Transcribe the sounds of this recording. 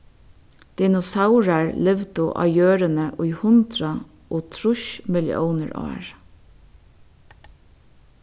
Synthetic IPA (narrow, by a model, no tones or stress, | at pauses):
d̪̥ɪnʊsaʊɹaɹlɪʋd̪oʔɑ̰ːjøːɾənəʔʊɪhʊnd̪ɾɑ | ʔoːt̪ʰɾʊʃmɪlɪ̰ʔo̰ʊnəɹʔɑ̰ːɹ